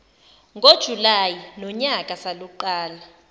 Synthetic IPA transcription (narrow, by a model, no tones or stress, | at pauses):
ŋɡʱod̥ʒ̥ʱulajinɔɲakʼasaluǃaːla